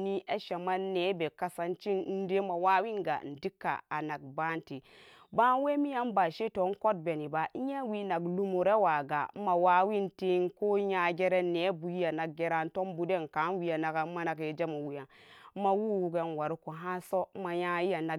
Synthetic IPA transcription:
ni˦a˦ʃa˨maː˦e˨˦be˨ka˦sa˦nt͡ʃi˦n˦n̩˦de˦ma˨wa˦wi˦nɡa̰˨n̩˨di˦kːa̰˨a̰˨na˨ɡ̚ba˦nti˨ | ba˦n˦we˦mi˦ja˨˦mba˨ʃe˦to˨˦n˦ko˦t̚be˨ni˨ba˨i˦ja˦wi˦na˨ɡlu˦mu˨ɾe˦wa˨ɡa̰˨˦ma˨wa˦wi˦nte˦nko˦ja˦ɡʲe˦ɾe˦neː˨˦bu˨ji˦ja˨na˨k̚ɡe˦ɾa˦n˦to˦mbu˨de˦˨nka˨˦n˦wi˨ja˨na˨ɡa˨˦ma˦na˨kje˨d͡ʒe˦ma˨wu˨ja˨˦ma˦wu˦wu˨ɡe˦nwa˨ɾi˦ku˨ɦã˦so˦ma˨ja˦ji˦ja˨na˨

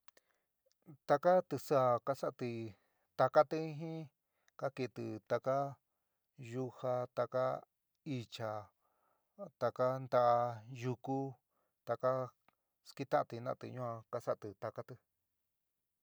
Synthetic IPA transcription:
t̪a˧ka˦t̪ɨ˧sa˦˧˨ka˦sa˦ʔt̪i˧ | t̪a˧ka˦t̪ɨ˧˦ɦĩ˦ | ka˦ki˧˨t̪ɨ˧t̪a˧ka˦ | ju˦ha˧t̪a˧ka˦ | i˧t͡ʃa˧ | t̪a˧ka˦nd̪a˧ʔa˧ju˧ku˦ | t̪a˧ka˦ | ski˦t̪ã˦ʔa˧t̪i˧nã˧ʔa˧t̪ɨ̰˧ɲũ˦ã˧ka˧sa˦ʔa˨t̪ɨ˧t̪a˧ka˦t̪ɨ˧

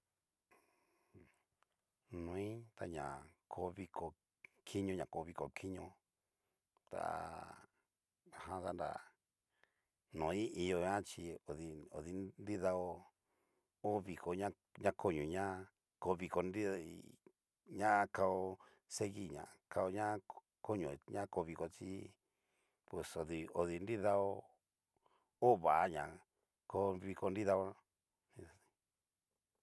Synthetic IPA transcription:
nũ˨˦ĩ˦t̪a˧ɲã̰˨kʰo˧˦βi˧kʰo˧ | kʰi˦ɲõ˧ɲã˨ko˧˦βi˧ko̰˨kʰi˦ɲõ˧ | t̪a̰˨ | a˨hã˦ða˦nda̰˨ | nõ˨˦i˦i˧jo˧ɲã˦t͡ʃi˧o˨ði˧o̰˨ði˧nd̪i˦ða˧o˧ | o˦βi˧ko˨ɲã˦ | ɲã˦kʰo˦ɲũ˨ɲã˦ | ko˧βi˧ko˧ndi˦ | ɲã˦ka˧o˧ | se˦ɣi˦˨ɲã̰˨ka˧o˧ɲã˦ | ko˦ɲõ˨ɲã˦ko˧βi˧ko˧t͡ʃi˦ | pwe˨so˨ði˧o˧ði˧ndi˦ða˧o˧ | o˦βa˨a˦ɲã̰˨ | ko˧βi˧ko˧ndi˦ða˧˦ | nĩ˧i̥˧

